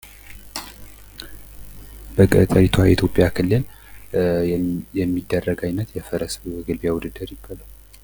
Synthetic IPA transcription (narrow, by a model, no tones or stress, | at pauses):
bəkʼət̪ʼəɾit̪ʰwaḭt̪ʰjo̞pʼːjakʰɨlːɨl | jɛmːid̪ːərːəɡajnət̪jɛfəɾəsɡɨlβjawud̪ɨd̪əɾjɪbːalaw